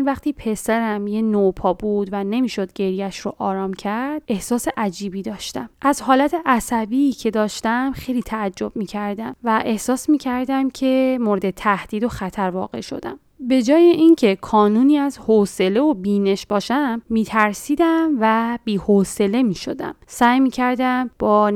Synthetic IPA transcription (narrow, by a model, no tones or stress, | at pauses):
nvæχt̪ʰiːpʰe̞sæɾæmjenopʰɒːbud̪væne̞miːʃo̞d̪̚ɟe̞ɾjæʃɾoʔɒːɾɒːmcʰæɾd̪̥e̞hsɒːse̞ʔæd͡ʒiːbiːd̪ɒːʃt̪æmʔæzhɒːlæt̪ʰe̞ʔæsæbiːcʰe̞d̪ɒːʃt̪æmxe̞jliːt̪ʰæːd͡ʒːo̞b̥̚miːcʰæɾd̪æmvæʔe̞hsɒːsmiːcʰæɾd̪æmcʰe̞moɾe̞d̪e̞t̪ʰæhd̪̥iːd̪o̞xæt̪ʰæɾvɒ̰ːɣe̞̰ʃo̞̰d̪æ̰m | be̞d͡ʒɒːjeʔincʰe̞kʰɒːnuːniːæzhose̞le̞obiːne̞ʃbɒːʃæmːiːt̪ʰæɾsiːd̪æmvæb̥iːhose̞le̞miːʃo̞̰d̪æ̰msæːjmiːcʰæɾd̪æmb̥ɒː